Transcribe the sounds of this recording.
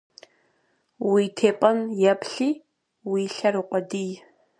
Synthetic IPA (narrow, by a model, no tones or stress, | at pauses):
wiːtʰeːpʼɐnjɛpʰɬiː | wiːɬɐriqʷʼɔdij